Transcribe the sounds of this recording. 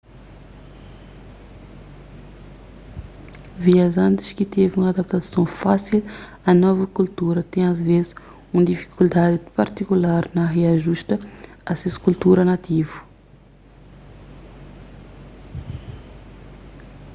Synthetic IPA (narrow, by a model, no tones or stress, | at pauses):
viazãnt̪i̥ʃkit̪eviũŋad̪ap̚t̪asɐ̃w̃fasil | anɔvɐkult̪uɾɐt̪ɛ̃j̃azvezi̥ | ũd̪ifi̥kʰuld̪ad̪ipaɾt̪ikulaɾnɐɦeaʒuʃt̪əasesu̥kult̪uɾɐnat̪ivu̥